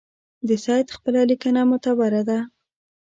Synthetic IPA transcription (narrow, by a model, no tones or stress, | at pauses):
d̪əsɑjt̪xpəlalikanamʊt̪abaɾad̪a